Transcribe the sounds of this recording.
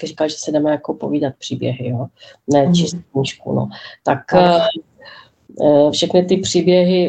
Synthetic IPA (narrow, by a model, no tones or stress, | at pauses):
krikalʒɛsɛdɛmɛjakopo̰viːdat̪̚pr̥iːbjɛ̰ɦɪjonɛt͡ʃɪsk̚ɲiːʃkṵno̰t̪ak | fʃɛxnɪt̪ɪpr̝̥iːbjɛɦɪ